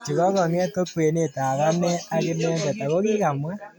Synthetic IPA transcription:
t͡ʃi˨ɣɔ˦ɣɔ˨n˦ɛ˦to˦twe˨ne˦˨ta˨ɣa˦nɛ˦a˦ɣe˦nɛ˦mdɛ˨ta˨ɣo˦ɣi˦ɣa˨mwɛ˦

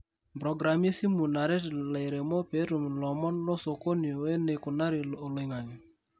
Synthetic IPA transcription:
pɾɔ˨ɡɾa˨mi˦si˦mu˨na˨ɾɛ˦tle˨ɾe˨mɔ˦pe˨˦ɾu˨m˨lɔ˨mɔ˦nlɔ˦so˨ko˦ni˨o˨we˦ne˨ko˨na˦ɾɪ˨lo˨lɪ˨ŋa˨ɲi˨

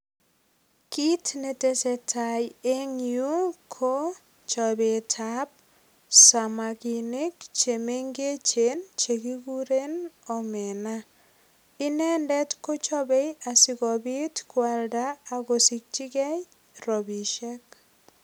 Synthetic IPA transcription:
ki˦tne˨te˨se˨tʰaje˦ŋju˦kʰo˦ | t͡ʃɔ˨be˨tʰa˦p̚ | sa˨ma˨ki˨ne˦kt͡ʃe˨me˦ŋɡe˦t͡ʃent͡ʃe˨ki˦ɡu˦ɾe˦nɔ˨mɛna | i˦nɛ˦ndɛ˦tko˦t͡ʃɔ˦bɛ˦ja˨si˨ɣɔ˨bi˦tkwa˨ldaːɣo˨si˨k̚t͡ʃi˦ɣɛ˦j | rɔ˨bi˨ʃɛ˦k̚

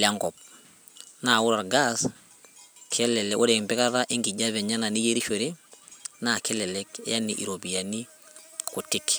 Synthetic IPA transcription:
lɪa˦ŋɡɔ˨p̚ | na˨ʊ˦ɾa˨ɾɡas | kʰɛ˦lɛ˨lɛo˦ɾɛ˨mbɛ˦ka˦ɾa˦ʔɪ˦ŋɡi˨d͡ʒa˦βɛ˨ɲa˦na˨ni˦je˦ɾi˦ʃe˨ɾe˦na˨kɛ˦lɛ˨lɛ˦kja˦ni˨ʔḭ˨ɾo˨bi˨a˨ni˦ | ku˨tɪ˦k

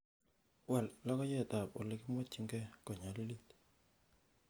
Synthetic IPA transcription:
wɛ˨llɔ˦kɔ˦jɛ˦˨t̪a˨pɔ̰˨lɪ˦kɪ˦mwɔ˦t͡ʃi˦ŋɡɛ˦kɔ˨ɲa˨li˦li˦t̪

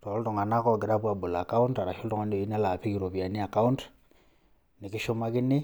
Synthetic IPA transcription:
tɔ˨˦ltɔ˨ŋa˨na˦kɔ˨ɡe˨ɾa˦pwa˨bo˨la˨ka˦u˦nta˨ɾa˨ʃɔ˦ltɔ˨ŋa˨˦ne˨i˦n˦a˦la˨pi˦ki˨ɾo˨βja˨ni˦a˨ka˦u˦nt | ne˨kɪ˦ʃo˦ma˦kɪ˦ne˦

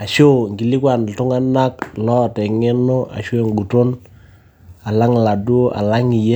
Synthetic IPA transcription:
a˨ʃo˦˨ŋɡi˨li˦kwa˨n˨tʊ˦ŋa˦na˦k̚lɔ˦˨tɛ˨ŋe˦no˦ʔa̰˨ʃwe˨ŋɡu˨to˦n | a˨la˦ŋla˨du˦o˦ʔa̰˨la˦ŋi˨je˦

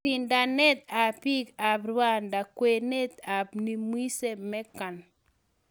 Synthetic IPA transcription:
i˨nda˨nɛ˦t̪̚a˨pi˦ka˨bɾwa˦nda˨kwe˨ne˦t̪a˨bni˦mwi˦se˦mɛ˦ka˨n

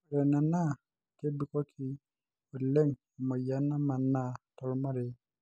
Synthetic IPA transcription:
ɾe˨na˨na˦ | ke˦bi˨˦ko˦kʰi˦ | o˨le˦˨ŋ˨ | mo˨ja˦na˦ma˨nːa˦tɔ˨lma˦ɾe˨

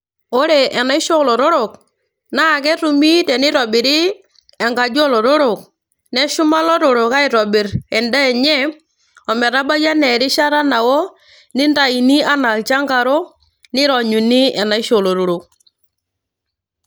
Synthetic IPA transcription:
o˦ɾe˨ʔɛ˨na˨˦ɪ˦ʃɔ˦lo˨ɾo˦ɾo˨k | na˦˨kɛ˦tu˨mi˦tɛ˨nɪ˦ɾɔ˨bɪ˨ɾi˦ | ɛ˨ŋɡa˨d͡ʒɔ˦lɔ˨ɾo˦ɾo˨k̚ | nɛ˦ʃu˦ma˦lɔ˦ɾo˨ɾo˨ka˦i˨ɾɔ˨bi˨ɾɛ˨nda˦˨ɲɛ˦ | ɔ˨mɛ˨ɾa˦ba˦d͡ʒa˦nɛ˨ɾi˦ʃa˦ɾa˦na˨wɔ˦ | nɪ˦nda˨i˨ni˦a˦na˨t͡ʃa˦ŋɡa˨ɾɔ˦ | nɪ˦ɾɔ˨ɲu˨ni˦ʔɛ˨na˨˦i˦ʃo˨lo˨ɾo˨ɾo˨k̚

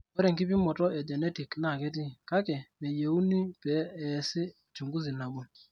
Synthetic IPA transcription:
ɔ˦ɾɛ˨ŋki˦p̬ɪ˦mɔ˨tɔ˦ɛ˨d͡ʒɛ˨nɛ˦ti˨kna˦˨kɛ˦t̬i˦ka˦kɛ˨nɛ˨je˨u˦ni˦pɛ˨˦ɛ˨sɪ˦ | t͡ʃu˨ŋɡu˦zi˨na˨ɓɔ˦

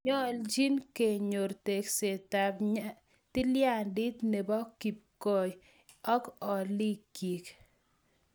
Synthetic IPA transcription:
ɲɔ˦ld͡ʒi˦nke˨ɲo˨ɾte˨kse˨ta˨bɲa | tɪ˦lja˦˨ndi˦t̪ne˨bɔ˦kːi˨p̚kɔ˦˨j | ɔ˦kɔ˨li˦ki˨k

